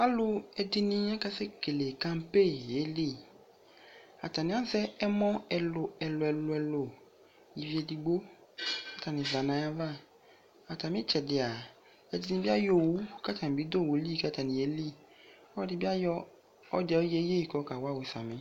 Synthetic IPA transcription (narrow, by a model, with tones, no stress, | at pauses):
a˦lʊ˧ɛ˧di˧nĩ˧ɲɛ˦ka˦se˦ke˨le˨ka˦m̩˦pe˦˨je˨˦li˦˨ | a˨ta˨nĩ˨˦ã˨˦sɛ˦ɛ˦mɔ̃˦ɛ˧lo˨ɛ˨lo˨˧ɛ˨lo˧ɛ˨lo˨ | ji˨vi˧˦ɛ˧di˧ɡ͡bo˦ka˦ta˨nĩ˧˨va˨nã˨˦ja˧va˦˨ | a˨ta˨mĩ˨˦t͡ʃɛ˨dɪ˨a˨ | ɛ˨di˧nĩ˧bi˦a˦jo˦˨wu˨˦ka˦ta˨nĩ˨bi˨˦do˦˨wo˨˦li˦˨ka˦ta˨nĩ˨je˨˦li˦ | ɔ˦ɔ˦di˧˦bi˦a˦jɔ˧ | ɔ˦dɛ˨˧ɔ˦je˦je˦˨kɔ˨˦ka˨wa˦˨we˨sa˨mĩ˨˦